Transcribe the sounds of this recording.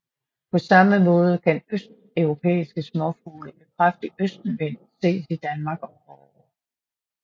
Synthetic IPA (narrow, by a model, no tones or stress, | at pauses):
pʰɒ̽sɑ̈məmɔ̽ːð̞ˠəkʰænøsd̥ | œʊʁo̝pʰḛːisɡ̥əsmɒfuːləb̥ekʰʁafd̥əʔøsd̥n̩ʋen̰̩se̝̰ːsid̥ænmɑ̈ːɡ̥ɒ̽fɒ